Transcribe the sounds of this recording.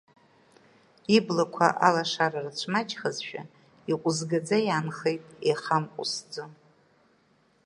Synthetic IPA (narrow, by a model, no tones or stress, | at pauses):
iblakʷʰa̰ʔalaʂarart͡ʃʷʰmat͡ʃʰʼχazʃᶣa̰ | iqʷʼʊzɡad͡zajaːnχejtʼeχamqʷʼʊ̰sd͡zo